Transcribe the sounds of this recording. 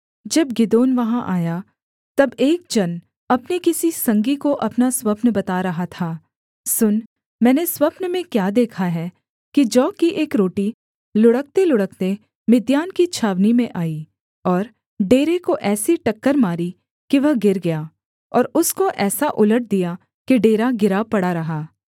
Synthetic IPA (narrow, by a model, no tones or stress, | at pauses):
d͡ʒɐb̚ɡɪd̪oːnʋɐɦãʔaːja | t̪ɐbeːk̚d͡ʒɐn | ɐpnikɪsisɐ̃ŋɡikoʔɐpnaswɐpnbɐt̪aːɾɐɦat̪ʰaː | sʊn | mɛ̃ːneswɐpnmẽkjaːd̪eːkʰaɦɛː | kid͡ʒɔːkːiʔeːkɾoːʈi | lʊɽək̚t̪elʊɽək̚t̪e | mɪd̪jaːnkit͡ʃʰaːʋnimẽʔaːi | ɔːɾ | ɖeːɾekoʔɛːsiʈɐkːəɾmaːɾi | kiʋɐɦɡɪɾɡɐjaː | ɔːɾʊskoʔɛːsaʔʊləʈ̚d̪ija | kiɖeːɾaɡɪɾapɐɽaɾɐɦaː